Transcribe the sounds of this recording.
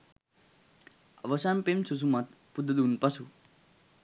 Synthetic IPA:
ɐʋəsanpemsus̬umat̪ | pud̪əd̪unpɐsu

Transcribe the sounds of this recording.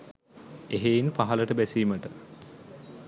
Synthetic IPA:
eɦeinpaɦɐləʈəbæsiːməʈə

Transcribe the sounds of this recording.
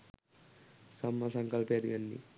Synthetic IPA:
sɐmːɐsɐŋkɐlped̪iʋɐnːḭ

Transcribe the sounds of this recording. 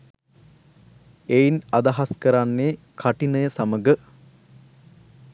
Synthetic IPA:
einɐd̪ɐɦaskəɾanːeː | kʰaʈinəjəsaməɡə

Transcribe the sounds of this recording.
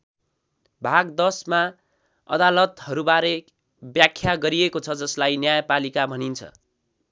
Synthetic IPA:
bʱaɡd̪ʌsma | ʌ̰d̪alʌt̪hʌɾubaɾe | bjakʰːjaɡʌɾiekot͡sʰʌd͡zʌslajnjajʌpalikabʱʌnint͡sʰʌ̰

